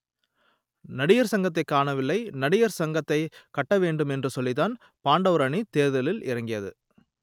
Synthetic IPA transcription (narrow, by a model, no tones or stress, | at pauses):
nɐɽɪjɐɾsɐŋɡɐt̪ːɐɪkːaːɳɐʋɪlːɐɪnɐɽɪjɐɾsɐŋɡɐt̪ːɐɪkɐʈːɐʋeːɳɖɯmɛndrɯsɔlːɪt̪aːn | paːɳɖɐʋɾɐɳit̪eːɾðɐlɪlɪ̰ɾɐŋɡɪjɐðɯ̰